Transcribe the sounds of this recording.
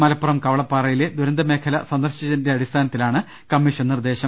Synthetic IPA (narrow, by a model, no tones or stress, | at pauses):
mɐlɐpːɐrɐmkɐʋɐɭɐpːaːrɐjiled̪uɾɐnd̪ɐme̞ːkʰɐlɐ̰sɐnd̪ɐrɕɐd͡ʑɐnde̞ɐɽist̪ʰaːnɐt̪ːilaːɳɨ | kɐmːiʂɐnnird̪e̞ːɕɐ